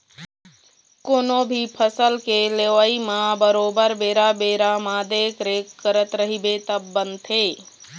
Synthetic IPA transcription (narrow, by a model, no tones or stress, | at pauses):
koːnobʱipʰəsəlkeleʋaːimãbəɾoːbəɾbeːɾabeːɾamãd̪eːkɾekkəɾət̪ɾəɦibet̪əbːə̃nt̪ʰeː